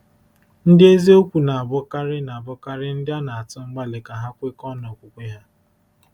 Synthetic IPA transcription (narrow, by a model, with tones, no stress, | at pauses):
n̩˦dɪ˦e˦zi˦o˦kʷu˨na˨a˨bʊ˦ka˦ɾɪ˦na˨bʊ˦ka˦ɾɪ˦n̩˦dɪ˦a˦na˨a˨tʊ˦ŋ͡m̩˦ɡ͡ba˦lɪ˨ka˨ɦa˦kʷe˦kɔ˦nɔ˨kʷʊ˨kʷe˦ɦa˦